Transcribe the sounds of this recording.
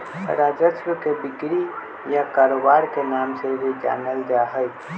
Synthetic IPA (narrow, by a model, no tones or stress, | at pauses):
ɾad͡ʒəsɾəkebɪkɾi | jakaɾobaɾkenamseɾid͡ʒa̰nəld͡ʒaɦəj